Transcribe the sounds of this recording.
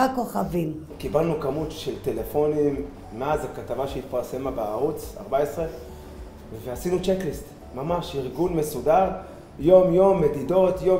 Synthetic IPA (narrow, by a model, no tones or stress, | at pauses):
ako̞χavim | kibalnukamut̪ʃelt̪e̞lefo̞nimː | eazakat̪avaʃeit̪paʁse̞mabeaʁut͡sa̰ʁbaesʁe | veasinut͡ʃeklist | mamaʃiʁɡunme̞sudaʁ | jo̞mjo̞mːedido̞t̪jo̞